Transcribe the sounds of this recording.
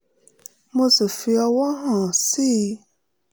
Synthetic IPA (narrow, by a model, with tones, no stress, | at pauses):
mõ˦se˨fi˧˦ɔ˧wɔ˦ɦã˨si˦